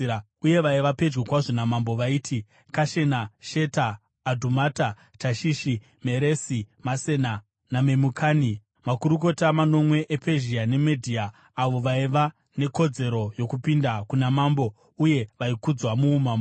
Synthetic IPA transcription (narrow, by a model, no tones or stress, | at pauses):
uje̞ʋaiʋape̞d͡ʒwekwaʐonamambo̞ʋaiːtʰi | kaʃe̞naʃe̞taː | dʱumata | t͡ʃaʃiʃi | me̞ɾesimase̞na | name̞mukʰaːni | makuɾuko̞tamano̞mwe̞ʔepʰe̞ʒiane̞medʱiaː | ʋo̞ʋaiʋa | ne̞ko̞d͡ze̞ɾo̞jo̞kupindakunamambo̞ | uje̞ʋaikud͡zwamuːmam